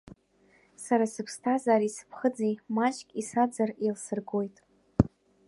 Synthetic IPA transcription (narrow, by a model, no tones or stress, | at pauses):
saɾasɨpʰstʰazaːɾisɨ̥pʰχəd͡zimat͡ʃʼkʲʼisad͡zarilsɨrɡo̞jtʼ